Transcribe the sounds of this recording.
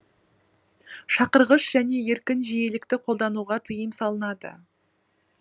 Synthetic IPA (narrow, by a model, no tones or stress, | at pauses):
ʃɑqəɾʁəʃʒ̥æne̞je̞ɾkʲɪnʒije̞lɪkt̪ɪqʰo̞lˠd̪ɑnuʁɑt̪ʰəjəmsɑlˠənɑd̪ə̰